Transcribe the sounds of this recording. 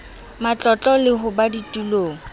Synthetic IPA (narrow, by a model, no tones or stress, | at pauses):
mat͡ɬʼɔt͡ɬʼɔlɪɦʊbaditʼuloːŋ̩